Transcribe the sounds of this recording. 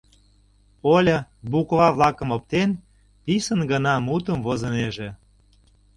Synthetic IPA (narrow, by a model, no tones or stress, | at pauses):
olʲə̆bukβɑβlɑkə̆mop̚t̪en | pisənɡənɑmut̪əmvozəneʒe